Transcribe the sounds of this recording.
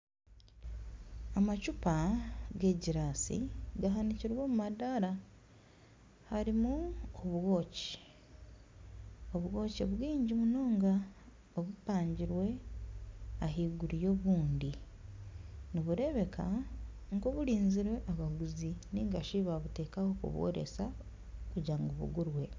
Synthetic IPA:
amat͡ʃupaɡe̞ɟiɾaːsḭɡaɦaniciɾwo̞ːmumadaɾa | haɾimuoβwo̞ːci̥ | o̞βɣo̞ːceβwiːɲɟimuno̞ːŋɡa | oβupaːɲɟiɾwe̞ | aɦiːɡuɾijo̞βuːndi | niβuɾe̞βe̞kʰa | ŋkoβuɾiːnziɾweʔaβaɡuziniŋɡaʃiβaβute̞ːkaho̞kṵβo̰ɾḛsa | kuɟaːŋɡoβṵɡuɾwe̞

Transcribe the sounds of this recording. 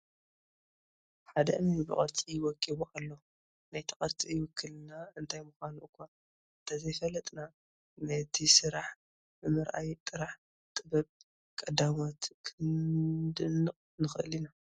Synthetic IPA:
ħad̪ɐʔɨnibɨkʼɐɾt͡sʼiwɔkʼːiβuʔalːo | najt̪ʰɐkʼɐɾt͡sʼijwʊkʰːɨlnaɨnt̪ʰajmuxanuʔɨkʷːan | ɨnt̪ʰazɐjfɐlɐt̪ʼna | nɐt̪ʰisɨɾaħ | bɨmɨɾʔajt̪ʼɨɾaħ | t̪ʼɨbɐb̚ | kʼɐd̪amot̪kʰɨnd̪ɨnɨqʼnɨxʔɨlina

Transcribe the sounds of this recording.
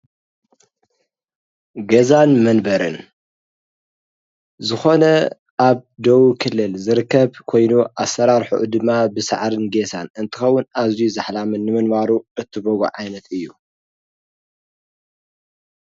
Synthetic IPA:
ɡɐzanmɐnbɐɾɨn | zɨxo̞nɐ | ʔaβd̪owukʰɨlːɨlzɨɾɨkʰːɐβkʰo̞jnuʔasːɐɾaɾħṵʔd̪ɨmːabɨsa̰ʕɾɨnɡesa̰nɨnt̪ʰɨ̥xɐwːʊnazijuzaħlamɨnːɨmɨnbaɾuɨt̪ʰːɨboɡṵʕajnɐt̪ɨjːu

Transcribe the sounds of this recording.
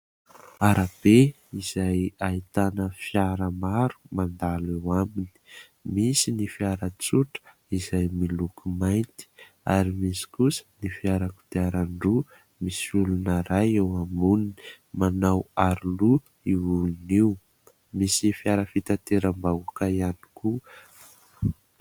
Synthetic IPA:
aɾab̥e | iz̥ajait̪anəfjaɾəmaɾu̥mand̪alewamini̥ | misinifiaɾət͡suʈ͡ʂə̥ | izajmilukumajnt̪i̥ | aɾimisi̥kusə̥nifiaɾaku̥d̪aɾaɳɖ͡ʐu | misulunaɾajewamunini̥ | manawaɾulu | iuniw | misifiaɾəfit̪at̪eɾəmbaukaiani̥ku

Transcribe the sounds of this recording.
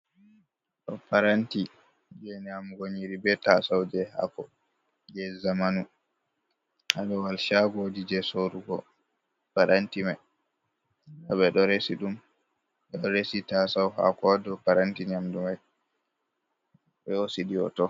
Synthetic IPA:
ɗɔpaɾanti | d͡ʒɛɲamɡoɲiɾibɛtasawd͡ʒɛha̰kɔ̰ | jɛzamanu | ʔadɔwalʃaɡodid͡ʒɛsoɾuɡɔ̰ | paɾʔantimaj | aɓɛɗɔɾesiɗum | ɗɔɾesitasawɦa̰kɔdɔpaɾantiɲamdumaj | bɛosidiɔ̰tɔ

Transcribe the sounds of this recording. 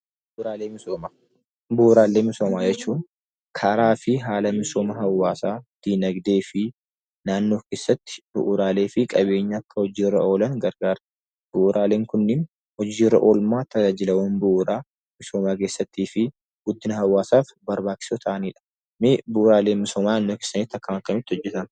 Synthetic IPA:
bɾaːleːmɪoːmaː | bʊʔʊɾaːlːeːmɪso̞ːmaːd͡ʒɛt͡ʃːuːn | kʰɐɾaːfɪɦaːlɐmɪso̞ːmɐɦɐwːaːsaːd̪̥iːnɐɡd̪e̞ːfɪ | naːnːoːke̞ːsːɐt̪ːɪ̥bʊ̰ʔʊɾaːle̞ːfɪkʼɐβe̞ːɲːɐːkːɐhɔd͡ʒiːrɐo̞ːlɐnɡɐɾɡaːɾ | b̥ʊʔːɾʔaːle̞ːŋkʊnːɪn | hɔd͡ʒiːrːɐ̰ʔoːlmaːt̪ɐd͡ʒaːd͡ʒɪlɐwoːnbʊʔʊɾaː | mɪso̞ːmaːkeːsːɐt̪ːiːfɪ | ɡ̥ʊd̪ːɪnɐhɐwːaːsaːfbɐɾbaːt͡ʃːɪ̥soːt̪ʰɐʔɐniːᶑɐ̥ | mɪbʊʔʊɾaːle̞ːnmɪsoːmaːnaːnːoke̥ːsːɐnɪt̪ːɐkːɐmɐkːɐmɪt̪ːɪɔd͡ʒːɛt̪ɐn

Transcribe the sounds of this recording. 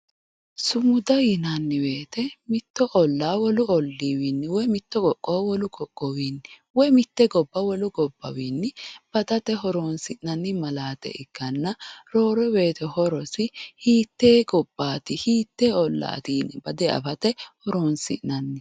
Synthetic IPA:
sʊmʊd̪ɐjɪnanːɪbeːt̪ɛmɪt̪ːɔʔɔlːaːwɔlʊɔlːiːwiːnːɪwɔjmɪt̪ːɔkɔkʼːoːwɔlʊɡɔkʼːɔwiːnːɪ | wɔjmɪt̪ːɛɡɔbːɐwɔlʊɡɔbːɐ̰wiːnːɪb̥ɐd̪ɐt̪ɛɦɔɾoːnsɪʔnɐnːɪmɐlaːt̪ɛ̰ʔɪkːɐnːɐɾo̞ːɾɔwe̞ːt̪ɛhɔɾɔsɪhiːt̪ːeːɡɔb̥ːaːt̪ɪhiːt̪ːeːɔlːa̰ːt̪iːnɪbɐd̪ɛɐ̰fɐt̪ɛhɔɾoːnsɪ̰ʔnɐnːɪ

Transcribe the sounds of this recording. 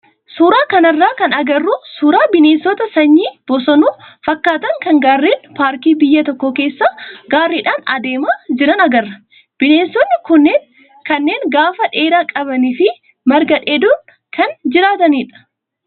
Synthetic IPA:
suːɾaːkɐnɐrːaːkɐnɐɡɐrːusuːɾaːbɪneːnsɔt̪ɐsɐɲːiːb̥ɔsɐnuːfɐkːaːt̪ɐŋkɐŋɡaːrːiːnpaːɾkiːbɪjːɐt̪ɔkːɔke̞ːsːaːɡaːrːiːᶑaːnɐ̰d̪e̞ːmaːd͡ʒɪɾɐnɐɡɐrːɐ̥ | b̥ɪneːnsɔnːɪkʊnːeːŋ | kɐnːe̞ːŋɡaːfɐᶑe̞ːɾaːkʼɐbɐniːfɪ | mɐɾɡɐᶑeːd̪ʊn | kɐnd͡ʒɪɾaːt̪ɐniːᶑɐ̥

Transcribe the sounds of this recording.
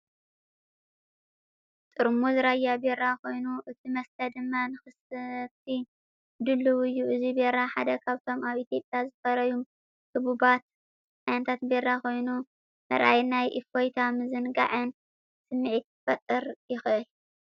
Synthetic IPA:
t̪ʼɨɾmuzɨɾajabeɾakʰo̞jnuʔɨt̪ʰimɐst̪ʰɐd̪ɨmːanɨxɨst̪ʰi | d̪ɨlːɨwɨjːuʔɨzibeɾaħad̪ɐkʰaβt̪ʰo̞maβʔit̪ʰjo̞pʼjazɨfɐɾɐjum | kʰɨβubat̪̚ | ʕajnɐt̪ʰat̪beɾako̞jnu | nɐɾʔa̰jnajʔifo̞jt̪ʰamɨzɨnɡa̰ʕɨn | sɨmːɨʕit̪̚fɐt̪ʼːɨɾjɪxʔɨl

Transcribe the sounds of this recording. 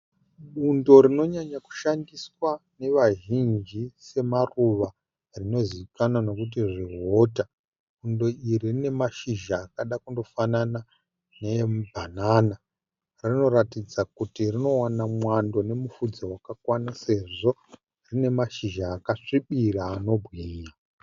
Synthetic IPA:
ɓundo̞ɾino̞ɲaɲaku̥ʃandiswane̞ʋaʒind͡ʒise̞maruʋa | rino̞ziʋikanano̞kut̬iʐiɦo̞ːta | ɓundo̞iririne̞maʃiʒaːkaɗakundo̞fanana | nebʱanaːna | rino̞ɾatid͡zakutirino̞wanamwando̞ne̞mufud͡zowakakwanase̞ʐo̞ | rine̞maʃiʒaːkaʂiɓiraːno̞bɣiːɲa

